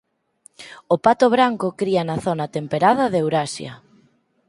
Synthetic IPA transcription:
ʊpat̪ʊβɾaŋkʊkɾiɐnɐθonɐt̪empeɾaðɐðewɾasjɐ̰

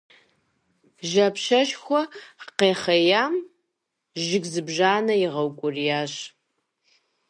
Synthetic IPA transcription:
ʒɐpʃɐʃxʷɔqeːχɐjaːm | ʒɪɡzɨbʒaːnɐjɪʁɐwkʷʼʊrijaːɕ

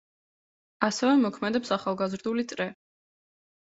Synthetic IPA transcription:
asɛvɛmɔkʰmɛd̪ɛpsaχalˠɡazɾd̪ulit̪sʼɾɛ

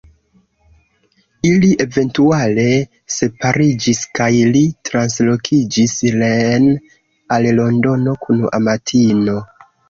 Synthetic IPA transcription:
iliʔe̞ve̞ntuale̞ | se̞paɾid͡ʒiskajlitɾanslo̞kʰid͡ʒislen | allo̞ndo̞no̞kʰuna̰matʰino̞

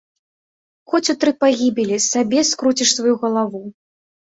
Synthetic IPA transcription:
xɔt͡sʲut̪ɾɨpaɣʲibʲelʲisabʲɛskɾut͡sʲiʂsvajuɣɐlˠavu

